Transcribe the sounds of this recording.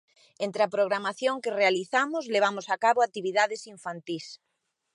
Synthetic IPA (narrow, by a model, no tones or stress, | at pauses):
ẽnt̪ɾeapɾoɣɾamaθjoŋkerealiθamʊzleβ̞amʊsakaβoat̪iβiðaðesiɱfant̪is